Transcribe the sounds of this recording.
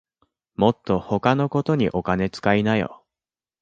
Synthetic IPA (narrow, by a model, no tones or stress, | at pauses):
mo̞t̪ːo̞ho̞kano̞ko̞t̪o̞ɲ̟iʔo̞kane̞t͡sɨ̥kainajo̰